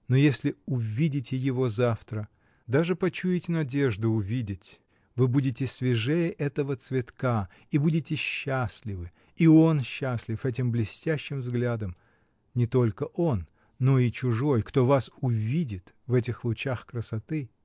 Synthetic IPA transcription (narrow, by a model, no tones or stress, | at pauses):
nojesʲlʲɪʊvʲidʲɪtʲɪjɪvo̞zaft̪ɾə | d̪aʐɨpɐt͡ɕujɪtʲɪnɐdʲe̞ʐd̪ʊʊvʲidʲɪtʲ | vɨbudʲɪtʲɪsʲvʲɪʐɛjəʔɛt̪əvət̪svʲɪt̪ka | ibudʲɪtʲɪɕːasʲlʲɪvɨ | io̞nɕːasʲlʲɪfɛt̬ʲɪmblʲɪsʲtʲæɕːɪmvzɡlʲad̪əm | nʲɪt̪o̞lʲkəʔo̞nː | o̞it͡ɕʊʐo̞jkt̪o̞vasʊvʲidʲɪt̪ | vɛtʲɪxlˠʊt͡ɕaxkɾəsɐt̪ɨ